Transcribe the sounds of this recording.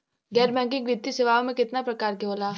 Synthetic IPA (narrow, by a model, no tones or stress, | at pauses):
ɡɛːɾbɛ̃ːŋkɪ̃ŋɡʋɪt̪ːisɪʋaːõmẽkɪt̪napɾɐkaːɾkeɦoːlaː